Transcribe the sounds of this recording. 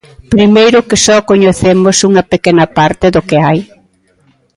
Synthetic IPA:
pɾimejɾʊkɪsɔkoɲeθemosuŋɐpekenɐpaɾt̪ɪðʊkɪaj

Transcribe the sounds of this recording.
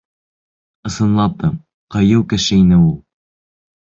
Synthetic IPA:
ɤ̆sɤ̆nlˠɑp̚t̪ɤm | qɑjɤwkæʃæjnɘulˠ

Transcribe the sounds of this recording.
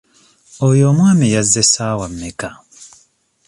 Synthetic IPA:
ojoːmwaːmijazːesaːwamːeka

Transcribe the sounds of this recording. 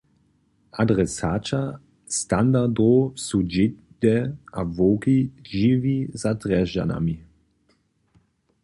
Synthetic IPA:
adʁɛsaːt͡ʃa | stand̪aʁdosud͡ʒɪdɛavoːkiʒivizatʁɛʒa̰na̰mi

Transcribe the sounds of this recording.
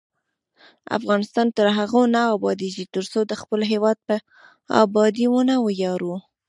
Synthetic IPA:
a̰fɣɑnɪst̪ɑnt̪əɾɦaɣonaːbɑd̪eʒit̪əɾsod̪əxpəlɦewɑd̪̚pə | ɑ̰bɑd̪iwənawəjɑɾu

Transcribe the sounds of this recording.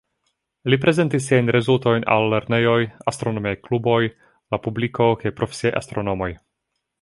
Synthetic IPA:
lipɾe̞ze̞ntis̬ːiajnɾe̞zulto̞jna̰lːe̞ɾne̞jo̞jast̪ɾonomiajklubo̞j | lapubliko̞kajpɾo̞fesiejʔa̰st̪ɾo̞no̞mo̞j

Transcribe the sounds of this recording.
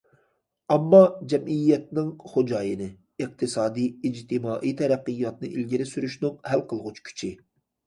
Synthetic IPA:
ɑmːɑd͡ʒɛmʔijːɛt̪̚nɪŋχod͡ʒɑːjɨnɨ | ɨq̚t̪ʰɨsɑːd̪iid͡ʒt̪ʰɪmɑːʔit̪ʰɛɾæqːɨjːɑt̪̚nɨʔilɡʲiɾɪsyɾyʃnɨŋhælqʰəlˠʁʊt͡ʃʰkʲʰy̥t͡ʃʰi

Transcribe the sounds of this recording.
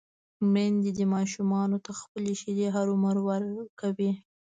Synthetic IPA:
mend̪id̪əmɑʃumɑnot̪axpəleʃid̪eɦaɾʊməɾwaɾkawi

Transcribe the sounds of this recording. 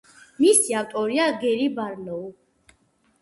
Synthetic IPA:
misiawt̪ʼɔɾiaɡɛɾibaɾnɔu

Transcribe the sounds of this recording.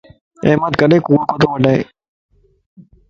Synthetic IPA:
ḛːmət̪kəɗẽːkuːɾkot̪oːʋəɖaːɦḛː

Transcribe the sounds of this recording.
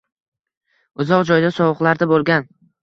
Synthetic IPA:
ʊzɒqd͡ʒɒjd̪asɒwʊqlˠaɾd̪abolˠɡʲan

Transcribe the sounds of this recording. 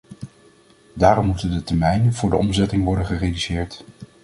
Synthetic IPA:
daːɾɔmːutəndətɛɹmɛjnənvʊːɹdəʔɔmzɛtɪŋʋɔɹdənχəredysɪːɹt

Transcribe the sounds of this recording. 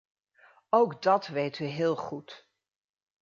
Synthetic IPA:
owɡdɑtʋejtyɦɪːlˠχut

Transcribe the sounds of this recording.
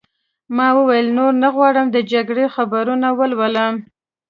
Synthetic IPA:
mɑwəwajəlnoɾnaɣwɑɽəmd̪əd͡ʒaɡɽexabaɾunawəlwalam

